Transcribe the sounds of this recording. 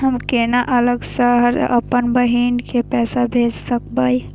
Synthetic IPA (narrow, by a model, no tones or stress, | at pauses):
ɦəmkenaʔələɡsəɦəɾə̰pənbəɦinkepɛːsabʱed͡ʒsək̚baj